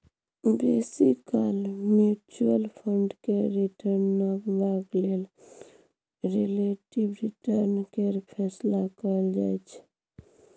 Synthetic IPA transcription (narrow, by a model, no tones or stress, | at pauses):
besikalmjut͡ʃuəlpʰəɳɖkeɾiʈʰəɾnːəkbaɡlel | ɾeleʈibɾiʈəɾnkeɾpʰɛslakəld͡ʒa̰jt͡ʃʰɛ̥